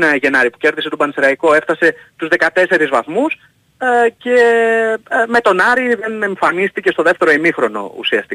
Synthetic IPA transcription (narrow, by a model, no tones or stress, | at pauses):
ʝe̞nɐɾipu̥ce̞ɾðise̞t̪o̞bɐnseɾɐiko̞e̞ft̪ɐse̞t̪uzðe̞kɐt̪e̞se̞ɾizvɐθmus | ce̞ | me̞t̪o̞nɐɾiðe̞ne̞ɱfɐnist̪icest̪o̞ðeft̪e̞ɾo̞imixɾo̞no̞̰ṵsiɐst̪i